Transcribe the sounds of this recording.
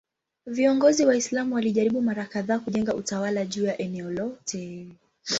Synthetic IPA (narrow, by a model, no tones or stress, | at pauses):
viɔŋɡɔziwaislamuwaliʄaɾiɓumaɾakaðaːkuʄɛŋɡautawalaʄuːjaʔɛnɛɔlɔtɛ